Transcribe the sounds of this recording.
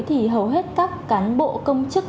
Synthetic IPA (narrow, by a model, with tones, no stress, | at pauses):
jt̪ʰi˨˩ɦə˨˩wɦe˦˥t̚kaː˦˥kːaː˨˦nɓo̰˧˨kə˧wŋ͡mt͡ɕɨ˦˥k̚